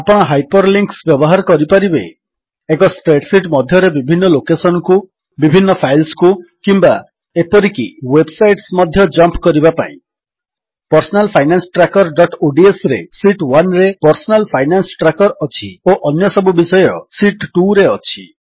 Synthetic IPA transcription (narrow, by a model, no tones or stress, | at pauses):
apɔɽ̃ɔɦajpɔɾliŋksbjɔbɔɦaɾɔkɔɾipaɾibeː | kɔsʈɾeʈsiʈmɔd̪ʱjɔɾebibʱinːɔlokesɔñɔku | bibʱinːɔpʰajlskukimba | epɔɾikḭwebsajʈsmɔd̪ʱjɔd͡ʒɔmpkɔɾibapa̰ḭ̃ | pɔɾsɔnalpʰajnansʈɾakɔɾɖɔʈoɖiesɾḛsiʈwanɾepɔɾsɔnalpʰajnansʈɾakɔɾɔt͡ʃʰioʔɔnjɔsɔbubisɔjɔsiʈʈuɾeɔt͡ʃʰi̥